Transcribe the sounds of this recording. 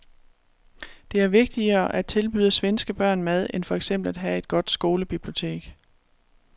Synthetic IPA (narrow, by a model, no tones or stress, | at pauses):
d̥e̝æɐʋe̝ɡ̥̚d̥iɐːʔæ̥t͡sʰe̝lb̥yːð̰ˠəsʋensɡ̥əb̥ɶɐ̰nmæð̞ˠenfɒ̽eɡ̥sem̰b̥l̩æd̥ɦæe̝d̥̚ɡ̥ɒ̽d̥sɡ̥o̝ːləb̥ib̥lio̝t͡sʰe̝̰ːɡ̥